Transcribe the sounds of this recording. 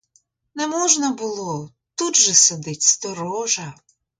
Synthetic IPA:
nɛmɔʒnɐbʊlˠɔ | t̪ud̪ʒɛsɐd̪ɪtʲst̪ɔɾɔʒɐ

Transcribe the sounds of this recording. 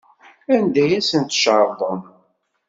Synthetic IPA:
ænd̪æjæsənt̪ʃəɾˤðˤəm

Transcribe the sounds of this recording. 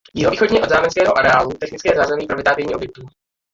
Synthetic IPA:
jɪɦoviːxodɲiːod̪zaːmɛnskɛːɦoʔaɾɛaːlut̪ɛxnɪt͡skɛːzaːzɛmipɾovɪt̪aːt̪ɪvɲiːʔobjɪkt̪uː

